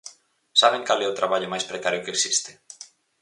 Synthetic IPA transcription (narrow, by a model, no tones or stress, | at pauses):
saβeŋkalɛot̪ɾaβaʎomajspɾekaɾjokeksist̪ɪ̥